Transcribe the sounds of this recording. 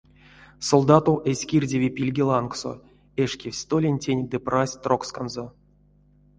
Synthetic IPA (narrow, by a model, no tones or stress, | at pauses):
solˠd̪at̪owʔesʲkʲirʲdʲevʲipʲilʲɡʲilˠankso̰ | eʂkʲefsʲt̪olʲenʲtʲenʲd̪ɨprasʲt̪rokskanzo